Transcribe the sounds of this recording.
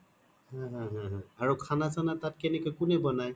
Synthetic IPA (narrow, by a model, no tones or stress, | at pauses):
hãɦãɦãɦãaɹukʰanazanatat̚kɛnɛkɔjkʊnɛbɔnaj